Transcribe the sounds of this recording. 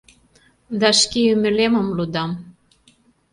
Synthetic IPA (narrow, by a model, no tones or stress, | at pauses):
d̪ɑʃkeymɘ̆lemə̆mlud̪ɑm